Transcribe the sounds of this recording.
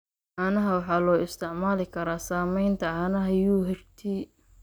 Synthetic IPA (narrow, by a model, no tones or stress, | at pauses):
ʕaːnɐɦɐwɑħɑːlɔːɪst̪ʰɪʕmaːlɪkʰɐɾaːsaːmɛjnt̪ʰɐʕaːnɐɦɐjuːɦɛrt̪ʰi